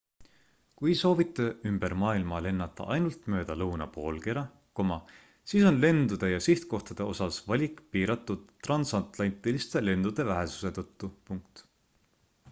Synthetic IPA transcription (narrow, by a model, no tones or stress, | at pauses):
kujso̞ːvit̪ːˑe̞ymb̥e̞ɾmɑːilmɑle̞nːɑt̪ːˑɑ̰ʔɑjnult̪ˑmø̞ːd̪̥ɑlɤwnɑ̰po̞̰ːlkeɾɑ | ko̞mɑ | siːso̞nle̞nd̪ud̪̥e̞jɑsiht̪̚ko̞ht̪ɑd̪̥e̞o̞sɑsvɑlʲikˑpiːɾɑt̪ːˑud̪̥rɑnsɑt̪ˑlɑnt̪ːˑilist̪e̞le̞nd̪̥ud̪̥e̞væɦe̞su̥se̞t̪ɤt̪ˑːupuŋk̚t̪